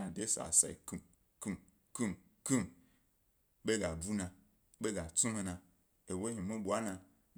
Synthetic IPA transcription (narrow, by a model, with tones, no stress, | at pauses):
a˨de˦sa̰˨sa̰˨ḭ˨ku˨m | ku˦m | ku˦m | ku˦m | ɓe˦ɡa˨bu˦na˨ | ɓe˦ɡa˨t͡su˦me˨na˨ | e˨we˦hi˨mu˦bʷa˦na˨